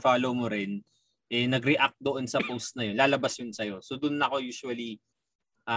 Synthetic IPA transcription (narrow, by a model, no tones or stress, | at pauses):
faːlowmoɾɪn | ʔɛnɐɡɾɛʔak̚t̪̚d̪oʔo̞nsɐpowst̪̚nɐjo̞nlaːlɐbasjʊnsɐjo̞sod̪ʊnːɐko̞juːʃuɐli | ʔa